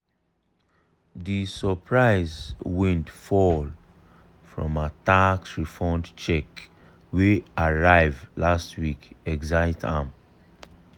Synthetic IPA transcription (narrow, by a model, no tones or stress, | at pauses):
disəpʰɹaɪzwɛ̃ntfɔl | fɹɔ̰̃mataksɹifɔ̃ndt͡ʃɛk | weaɹaɪvlastwikɛɡzaɪtʰã̰m